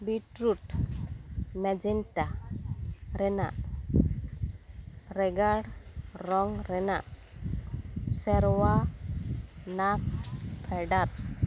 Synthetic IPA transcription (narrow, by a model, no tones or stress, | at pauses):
biʈɾuʈ | mɛd͡ʒɛnʈa | ɾɛna̰ | ɾɛɡaɽɾɔŋɾɛna | sɛɾwa | nap̚pʰɛɖat̪̚